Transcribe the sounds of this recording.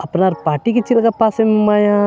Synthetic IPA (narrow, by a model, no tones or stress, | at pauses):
ɐpnaɾpaːʈikit͡ʃilkapaːsemaːjã